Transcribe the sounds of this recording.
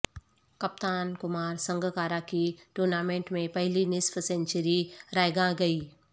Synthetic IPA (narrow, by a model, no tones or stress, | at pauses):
kɐp̚t̪aːnkʊmaːɾsɐ̃ŋɡʱkaːɾakiʈuːɾnaːmẽːɳʈmẽpɐɦɪlinɪsfsẽɲt͡ʃəɾiɾaːjɡãɡɐiː